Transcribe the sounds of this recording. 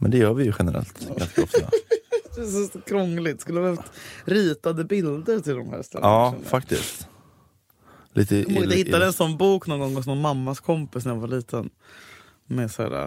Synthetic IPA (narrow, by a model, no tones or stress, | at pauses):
mɛ̰nd̪ɛjœːɾvɪjɵɧɛnəɾɛ̰lt̪a̰sɔf | d̪ɛsɔskʰɾɔŋlɪɡt̪skɵlːdɛft̪ɾiːt̪ad̪əbɪld̪əɾt̪ʰɪld̪ɔmhæ̰ːɾst̪ɛ̰lːɑaːfakt̪ɪ̰st̪ | lʔiːt̪əmɪəhɪt̪ːad̪ɛnsɔnːbuːknɔnɡɔŋːɔsnɔnmamːaskʰɔmpɪsnæjavaɭiːt̪ʰən | mɛsæ̰ːɾa̰